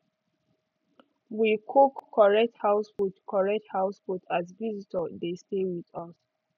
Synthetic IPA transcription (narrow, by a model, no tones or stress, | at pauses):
wikʰokʰːɔɹɛk̚thaʊswutkʰɔɹɛk̚thaʊsfutʰazvizitʰədestewiðɔs